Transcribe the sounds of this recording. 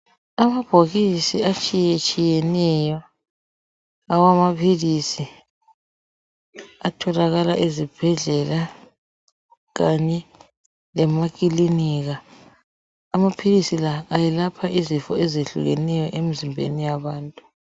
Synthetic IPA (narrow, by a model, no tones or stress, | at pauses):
amab̥ʱoɣisiat͡ʃʼijɛt͡ʃʼijɛnɛjɔ | awamapʰilisi | atʰɔlaɣala̰ʔezib̥ʱɛɮɛla | ɣaɲɛ | lɛmak̬ʼiliniɣa | mapʰilisilaːjɛlapʰaʔizifɔezeɬṵɣɛ̰nɛjɔʔemizimbʱḛnijaβaːntʼu